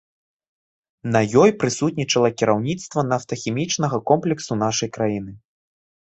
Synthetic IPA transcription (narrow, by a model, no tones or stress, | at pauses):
nɐjɔjpɾɨsut̪ʲnʲit͡ʂɐlˠɐkʲiɾawnʲit̪st̪vɐnaft̪ɐxʲɛmʲit͡ʂnɐɣɐkɔmplʲɛksunaʂɐjkɾajinɨ